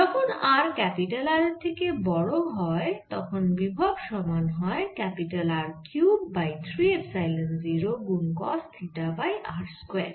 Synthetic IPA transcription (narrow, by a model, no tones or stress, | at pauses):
d͡ʒɔkʰonaɾkɛpiʈalaɾet̪ʰekebɔɽoɦɔet̪ɔkʰonbibʱabʃɔmanɦɔekɛpiʈalaɾkjubːajt̪ʰɾiebsajlenziɾoɡunkɔst̪ʰiʈabajʔaɾskwɛ